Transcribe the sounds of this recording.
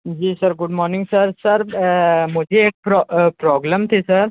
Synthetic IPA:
d͡ʒiːsɐɾɡʊɖmɔːɾnɪ̃ŋɡsɐɾsɐɾmʊd͡ʒʱeːk̚pɾɔpɾɔːɡləmt̪ʰesɐɾ

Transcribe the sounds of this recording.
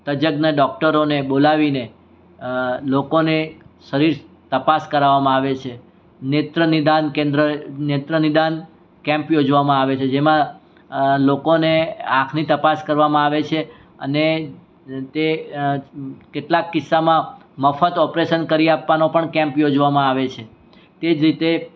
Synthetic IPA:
t̪əd͡ʒəɡnaɖɔk̚ʈəɾonebolaʋine | lokoneʃəɾiɾ | t̪əpaskəɾaʋamãaʋet͡ʃʰe | net̪ɾənɪd̪ankẽnd̪ɾənet̪ɾənɪd̪an | kɛ̃mpjod͡ʒʋamãaʋet͡ʃʰed͡ʒemã | lokoneãkʰnit̪əpaskəɾʋamãaʋet͡ʃʰe | əne | t̪e | keʈlakːɪsːamã | məfət̪ɔpɾeʃənkəɾiapʋanopəɳkɛ̃mpjod͡ʒʋamãaʋet͡ʃʰe | t̪ed͡ʒɾit̪e

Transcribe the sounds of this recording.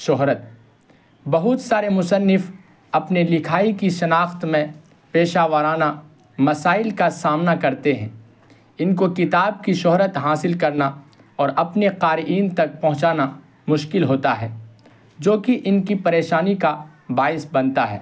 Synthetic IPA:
ʃɔɦɾət̪̚ | bɐɦʊt̪saːɾemʊsənːɪf | ɐpnelɪkʰaːikiʃɐnaːxt̪mẽ | peːʃaːʋəɾaːna | mɐsaːɪlkasaːmnakɐɾt̪eɦɛ̰̃ː | ɪnkokɪt̪aːb̚kiʃɔɦɾət̪ɦaːsɪlkɐɾna | ɔːɾʔɐpneqaːɾiːnt̪ɐk̚pɐ̃ɦʊ̃t͡ʃaːna | mʊʃkɪlɦoːt̪aɦɛ̰ː | d͡ʒoːkiʔɪnkipɐɾeːʃaːnika | baːɪsbɐ̃nt̪aɦɛ̰ː

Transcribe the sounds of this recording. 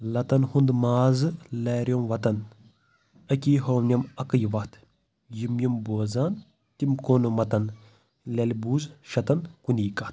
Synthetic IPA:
lɐt̪ɐnhund̪maːzɨlɛːɾjomʋɐt̪ɐn | ɐkʲiːɦownʲɐmɐkɐjʋɐt̪ʰ | jimjimboːzaːn | t̪imkoːnɨmɐt̪ɐn | lʲɐlʲbuːzʃɐt̪ɐnkunʲiːkɐht̪̚

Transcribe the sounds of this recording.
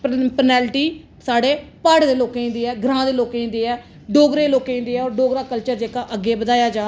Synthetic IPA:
ppənɛːlʈiː | saːɖeːpaːɖd̪eːloːkeːĩnd̪eːɛːɡɾãːd̪eːloːkeĩnd̪eːɛː | ɖoːɡɾeːloːkeːĩnd̪eːɛːɔːɾɖoːɡɾaːkəlt͡ʃəɾd͡ʒeːkaːʔəɡːeːbəd̪aːjaːd͡ʒaː

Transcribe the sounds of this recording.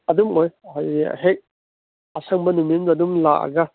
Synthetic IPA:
ɐdumojhaj̰ɦek̚ | ɐsaŋbɐnumimdɐdumlakɐ̰ɡɐ

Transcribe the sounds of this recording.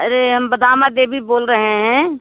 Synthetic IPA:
ɐɾeɦɐmbɐd̪aːmad̪eːbʱiboːlɾɐɦeɦɛ̃ː

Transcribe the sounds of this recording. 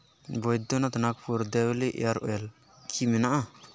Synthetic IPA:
bojd̪onat̪anakpʰuɾd̪ewliʔaɾo̰el | kʰiminaʔa

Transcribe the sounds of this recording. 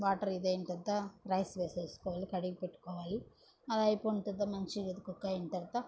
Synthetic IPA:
ʋaːʈɐɾid̪ent̪ɐd̪ɐɾɐjsʋeːseskoʋaːlikɐɽiɡpeʈːkoʋaːli | ɐd̪ɐjpoɳt̪ɐd̪ːɐmɐnt͡ʃiɡɐd̪ukːukːaeɳʈ̪ɐɾt̪ːɐ

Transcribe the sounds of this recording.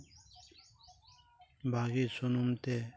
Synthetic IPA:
bʱaːɡisunumt̪e

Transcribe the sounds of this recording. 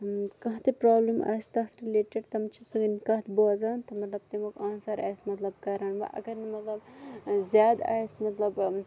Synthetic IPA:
kɐɦt̪epɾaːblɐma̰ːst̪ɐɦt̪ʰɾileːʈɐɖt̪ɐmt͡ʃʰisɐɡɐnkɐɦt̪boɐzaːnt̪ɐmɐt̪lɐb̚t̪emokaːnsɐɾa̰ːsmɐt̪lɐbkɐːɾaːɳʋɐ̰ʔɐ̰ɡɐɾnimɐt̪lɐbzʲjaːd̪a̰ːjsmɐt̪lɐb

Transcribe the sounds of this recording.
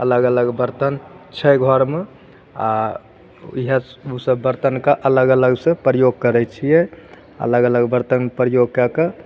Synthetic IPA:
ələɡələɡbəɾt̪ənt͡ʃʰɛɡʱɔɾme | a | iɦeusəbːəɾt̪ənkeʔələɡələɡsẽpɾəjoɡ̚kəɾɛt͡ʃʰijɛ | ə̰ləɡələɡbəɾt̪ənpɾəjoɡ̚kɛkə

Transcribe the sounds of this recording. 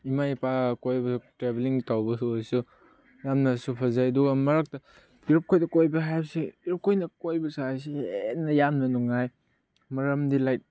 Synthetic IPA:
imajpakojbɐsutɾebeliŋtawbɐsuajsu | jamnɐsupʰɐzajduɡɐmɐɾak̚tɐ | iɾup̚kʰojdɐkojbɐɦajbsiiɾup̚kʰojnɐkojbɐsajs̬inːɐjamnɐnuŋaj | mɐɾɐmdilajt̚

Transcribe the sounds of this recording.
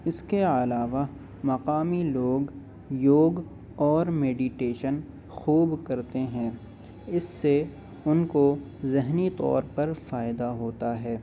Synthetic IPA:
ɪskeɐlaːʋa | mɐqaːmiloːɡ | joːɡ | ɔːɾmeːɖiʈeːʃən | xuːbkɐɾt̪eɦɛ̃ | ɪsːe | ʊnko | zɪɦnit̪ɔ̰ːɾpɐɾfaːɪd̪aɦoːt̪aɦɛː

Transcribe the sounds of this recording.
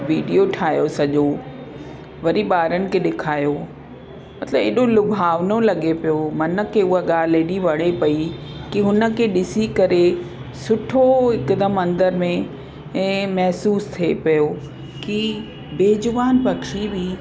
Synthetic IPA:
ʋiːɖijoʈʰaːjosɐʄo | ʋɐɾiɓaːɾənɪ̆kʰeːɗɪkʰaːjo | mɐt̪ləbeːɗolʊbʱaːʋnolɐɠepijomɐnə̆kʰeʊɦaɠaːleɗiʋɐɽ̃epɐikiɦʊnə̆kʰeɗɪsikɐɾe | sʊʈʰoɦɪkd̪əmɐ̃nd̪əɾmẽ | mɐɦsuːst̪ʰepɐjo | ki | beːd͡ʑʊʋaːnpɐkʰibi

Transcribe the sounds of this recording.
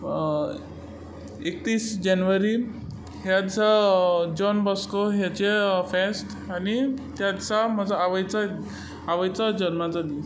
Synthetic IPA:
ek̚t̪iːsd͡ʑanʋəɾi | ɦjad̪t͡sad͡ʑɔnbɔskoɦjat͡ɕefesʈ | anit̪jat̪t͡sam̤əd͡zaaʋəjt͡sa | aʋəjt͡sad͡ʑənmat͡sad̪is

